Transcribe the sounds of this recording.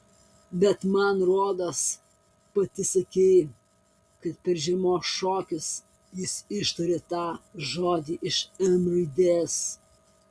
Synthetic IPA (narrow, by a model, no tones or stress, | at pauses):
bʲɛt̪mɐnɾoːd̪ɐs | pɐt̪ʲɪsʲɐkʲɛɪ | kɐt̪̚pʲɛɾʒʲɪmoːsʃoːkʲɪs | jɪsɪʃt̪ɐɾʲeːt̪ɑːʒoːd̪ʲiːʔɪʃɛmɾɐɪd̪ʲeːs